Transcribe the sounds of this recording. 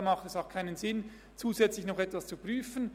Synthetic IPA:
mɑχtɛsaʊxkʰaɪnənzɪn | t͡suːzɛt͡slɪçnɔχɛtv̥ast͡supr̥yːfən

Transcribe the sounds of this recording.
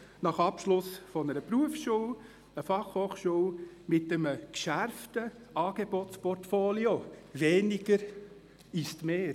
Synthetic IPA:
nɑχɑpʃlʊsfɔnəɾəpɾuəfsʃuːw | əfɑχhoːχʃuw | mɪtəməkʃæɾftə | ɑːɡ̥ebɔt̪t͡spɔrtfoːlioveːniɡ̥əɾ | ist̪meː

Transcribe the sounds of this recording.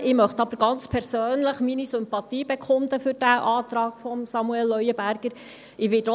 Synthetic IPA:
ʔɪmœχt̪ɑbəɾɡɑnt͡spʰɛɾsøːnləχminisʏmpɑt̪iːbekʰʊnd̪əfʏɾd̥æʔɑːt̪ɾɑːɡ̥fɔmsɑmuɛlːœʏəbæɾɡ̥əɾ | ɪʋɪd

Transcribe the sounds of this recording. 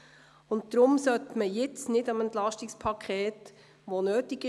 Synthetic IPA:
ʊnt̚d̪ɾʊmsœtməjɪt͡snɪdɑmɛnt̪lɑʃtɪkspʰɑkʰeːt | ʋonøːtɪɡɪ

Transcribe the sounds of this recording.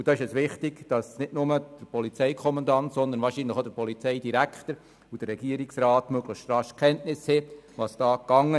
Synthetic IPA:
ud̥̪ɑːɪʃɛsʋɪχtiɡ̥d̥ɑsnɪdnʊməd̥əpɔlit͡sɛɪkʰɔmɑndɑnt̪sɔnd̪ənʋɑːɾʃinləχod̥̪əɾpɔlit͡sɛɪdiɾækʰχt̪əɾ | ud̥ərːɛɡiəɾiksɾɑːtmøɡləχʃtɾɑʃkχɛntnɪshɛʋɑsd̥ɑːkːɑŋːə

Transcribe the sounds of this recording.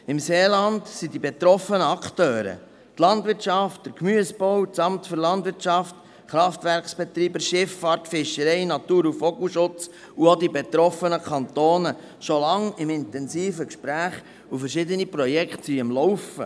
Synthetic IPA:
ɪmseːlɑndsidibet̪ɾɔfənəɑktøːɾə̰ | t̪lɑndvɪɾt͡ʃɑft̚d̥əɾkmyəsb̥ɔwt͡sɑmtfʏɾlɑndʋɪɾt͡ʃɑft | χɾɑftʋæɾksb̥ɛt̪ɾiːbəʃɪfːɑːɾtfɪʃəɾɛɪnɑt̪uːɾufɔɡuʃʊt͡s | uodibet̪ɾɔfənəkʰɑnt̪oːnə | ʃolɑŋɪmɪnt̪ɛnsiːfəkʃpɾæːχ | ufəɾʃɪd̪ənipɾɔjɛkχtsiɪmlɔʊfə̰

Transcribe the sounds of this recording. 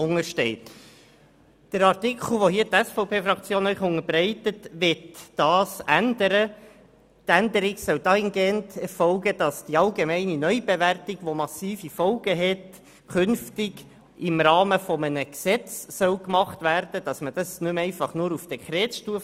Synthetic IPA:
ʊŋəɾʃtɛɪt | d̥əɾɑrtɪkʰl̩ˠʋohiːətɛsfɔʊpʰeːfɾɑkt͡sjoːnœʏχʊŋəɾbɾɛɪtətʋɪtd̥ɑːsændəɾə | tændəɾɪɡsœwd̥ɑhɪnɡeːntɛɾfɔʊɡəd̥ɑsd̥iɑlɡemɛɪninœʏb̥eværtɪɡ̥ʋomɑsiːfifɔlɡəɦɛt | kʰʉnftɪɡ | ɪmɾɑːməfɔmənəksɛt͡sːœwkmɑχtʋærd̥əd̥ɑsməd̥ɑsnʉmɛɪfɑχnʊɾufd̥ɛkʰɾɛːtʃtuəf

